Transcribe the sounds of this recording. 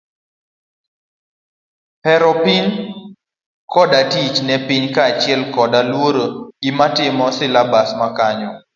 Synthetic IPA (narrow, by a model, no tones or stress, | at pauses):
pɛɾɔpin | kʰɔdatit͡ʃnɛpiɲkat͡ʃɪɛlkɔdalwoɾoimatɪmɔsɪlabasmakaɲɔ